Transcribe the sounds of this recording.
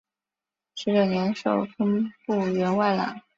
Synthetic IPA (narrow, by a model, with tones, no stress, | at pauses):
ʂɻ̩˧˥ljo˥˩njɛ˧˥nʂo˨˩ʊfə˥ŋpu˥˩ɥɛ˧˥nwa˥˩ɪla̰˨˩˦ŋ